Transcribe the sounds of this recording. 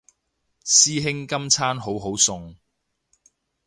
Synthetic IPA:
siː˥ɦɪ˥ŋkɐ˥mt͡sʰaː˥nɦo˨˥wɦo˨˥wsʊ˨ŋ

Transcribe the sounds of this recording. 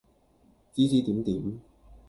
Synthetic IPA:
t͡si˥t͡siː˨˥t̪iː˨˥mt̪iː˨˥m

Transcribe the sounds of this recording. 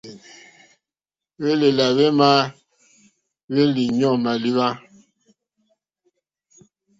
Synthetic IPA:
βe˦le˨la˨βe˦ma˦ | βe˦li˨ɲɔ˦˨ma˨li˦βa˦

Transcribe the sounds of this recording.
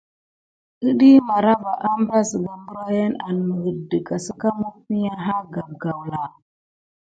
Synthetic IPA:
ə˦ɗi˦ma˨ɾa˦va˨ʔa˦mbɾa˦sɡa˨mbu˦ɾa˦ja˦na˨n˨mə˨ɡə˨də˨ka˨sə˦ka˦mu˦k̚mi˦ja˦ɦa˦ɡa˨b̚ɡa˨wla˨

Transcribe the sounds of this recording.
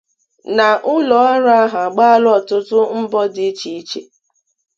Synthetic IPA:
na˨ʔʊ˦lɔ˨˦a˦ɾa˦a˦ɦa˨ɡ͡ba˦a˦lɔ˨tʊ˦tʊ˦m̩˦bɔ˦dɪ˦t͡ʃi˨i˦t͡ʃe˨

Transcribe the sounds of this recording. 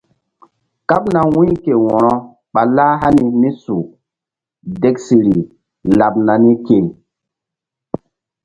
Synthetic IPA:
ka˦pna˨wũ˦ke˨wɔ˨ɾɔ˦ | ɓa˨laː˦ɦa˦ni˨ni˦su˨ | de˦ksi˨ɾi˨ | la˨p̚na˨ni˦ke˨

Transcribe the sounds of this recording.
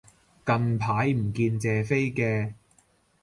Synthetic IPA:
kɐ˧npʰaː˨˥jm̩˨˩kiː˧nt͡sɛː˨fe˥jkɛː˧

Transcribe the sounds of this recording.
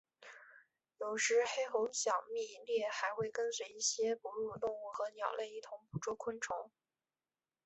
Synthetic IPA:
jo˨˩ʊʂɻ̩˧˥xe˥ɪxʊ˧˥ŋɕjɑ˨˩ʊmi˥˩i˧˩ljɛ˥˩xa˧˥ɪxwe˥˩ɪkə˥nswe˧˥ɪi˥˩ɕjɛ˥pu˧˥ɻu˥˧t̪ʊ˥˧ŋu˥˩xɤ˧˥njɑ˨˩ʊle˥˧ɪi˥˩t̪ʰʊ˧˥ŋpu˨˩ʈ͡ʂwu˥˩kʰwə˥nʈ͡ʂʰʊ˧˥ŋ

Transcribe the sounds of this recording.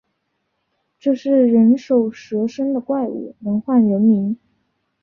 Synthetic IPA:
ʈ͡ʂɤ˥˧ʂɻ̩˥˩ɻə˧˥nʂo˨˩ʊʂɤ˧˥ʂə˥ŋd̪ə˨kwa˥˩˧ɪṵ˨˩nɤ˧˥ŋxwa˥˩nɻə˧˥nmi˧˥n

